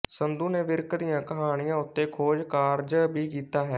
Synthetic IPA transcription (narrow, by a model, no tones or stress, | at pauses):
sənd̪uːneːʋɪɾkd̪ɪjãːkəɦaːɽ̃ɪjãːʊt̪ːeːkʰoːd͡ʒkaːɾd͡ʒbʱiːkiːt̪aːɦɛː